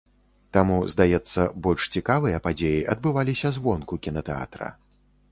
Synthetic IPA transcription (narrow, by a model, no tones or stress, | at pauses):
t̪amuzd̪ajɛt̪sːɐbɔlʲʂt͡sʲikavɨjɐpad͡zʲejiʔɐd̪̚bɨvalʲisʲɐzvɔnkukʲinɐt̪ɛa̰t̪ɾɐ̰